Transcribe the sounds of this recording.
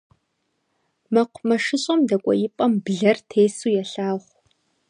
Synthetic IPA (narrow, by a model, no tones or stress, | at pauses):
mɐqʷʰmɐʂɨɕʼɐmdɐkʷʼɔ̰jɪpʼɐmbɮɐrtʰeːsuːjɛɬaːʁʷ